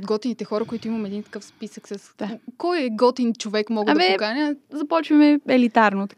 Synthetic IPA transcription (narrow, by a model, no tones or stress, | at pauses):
pod̪ɡɔt̪init̪ɛxɔɾɐkoit̪ʊimɐmɛd̪int̪ɐ̥kɤfspisəksəsd̪akɔjɛɡɔt̪int͡ʃovɛkmɔɡamɛkanʲəzɐpɔt͡ʃvɐmɛɛlit̪aɾnot̪k